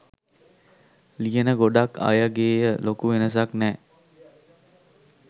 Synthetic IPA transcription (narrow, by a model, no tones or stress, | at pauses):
lijənəɡoɖaka̰jəɡeːjəlokuʋenəs̬aknɛː